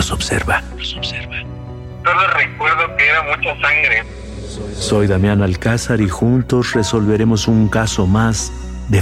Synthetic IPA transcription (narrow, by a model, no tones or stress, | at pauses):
osobsḛɾβalosobseɾβa | toðorekwe̞ɾðokeeɾamut͡ʃasaŋɡɾe | so̞jðamjanalkasaɾixunt̪o̞sre̞so̞lβe̞ɾe̞mo̞suŋkaso̞maz | ðe